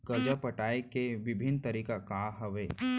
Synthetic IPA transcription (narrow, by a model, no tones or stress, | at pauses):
kɐd͡ʒapɐʈaːekeʋɪbʱɪnt̪ɐɾiːkakaːɦɐʋeː